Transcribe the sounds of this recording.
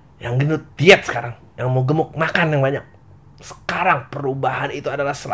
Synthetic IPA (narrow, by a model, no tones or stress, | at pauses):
jaŋɡənud̪iɛt̪̚sə̥kaɾaŋ | jaŋmoɡəmʊk̚makanjaŋbaɲak̚ | sə̥kaɾaŋpəɾubaɦanit̪uadalahsəla